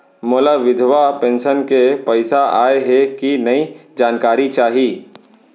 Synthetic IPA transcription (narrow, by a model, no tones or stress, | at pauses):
moːlaʋɪd̪ʱʋapẽːnʃənkepɛɪsaʔaːeɦɛkinɐid͡ʒaːnkaːɾit͡ʃaːɦiː